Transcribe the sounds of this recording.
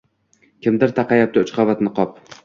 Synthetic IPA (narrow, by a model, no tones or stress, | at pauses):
kʲʰɪmd̪ɪɾt̪ʰɑqʰɑjap̚t̪ʰɪʊt͡ʃqʰavat̪nɪqʰɒp